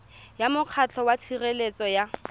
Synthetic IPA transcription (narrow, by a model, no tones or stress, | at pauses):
jamʊq͡χʰat͡ɬʰɔwat͡sʰirelet͡sʼɔja